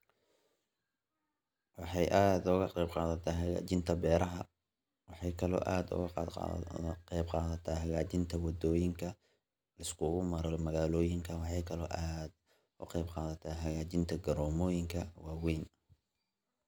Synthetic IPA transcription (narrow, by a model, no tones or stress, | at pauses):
wɑħɑjʔaːd̪ʊɣɐqɛjbqɑːðɐt̪ʰɐɦɐɣa̰ːt͡ʃɪnt̪ʰɐbɛːɾɐɦɐ | wɑħɑjkʰɐlɔ̰ːʔaːd̪ʊ̰ɣɐ | qɛjbqɑːðɐt̪ʰaːɦɐɣaːt͡ʃɪnt̪ʰɐwɑd̪ɔːjɪŋkʰɐ | lɪskʰʊɣʊmɐɾɐlmɐɣaːlɔːjɪŋkʰɐwɑħɑjkʰɐlɔ̰ːʔaːd̪ | ʊqɛjbqɑːðɐt̪ʰaːɦɐɣaːt͡ʃɪnt̪ʰɐɡɐɾɔːmɔːjɪŋkʰɐwɑːwɛjn